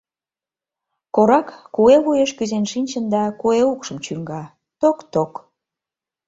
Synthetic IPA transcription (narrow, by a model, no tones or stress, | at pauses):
koɾɑkːueβujeʃkyzenʃinʲt͡ɕənd̪ɑkueukʃəmt͡ɕyŋɡɑ | t̪okt̪ok